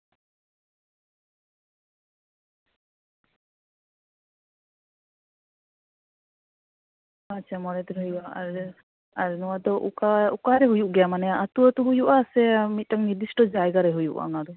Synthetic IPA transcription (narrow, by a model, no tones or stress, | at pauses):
atːt͡ʃʰamɔɾɛd̪ɔɾɦɔjbaaɾ | aɾnɔwad̪ɔʔukaukaɾɛɦujuʔɡɛjamanɛjaʔat̪uat̪uɦujuʔasɛmit̪̚ˀʈaŋniɾd̪isʈɔd͡ʒajɡaɾɛɦujṵʔa̰ŋaɾɔ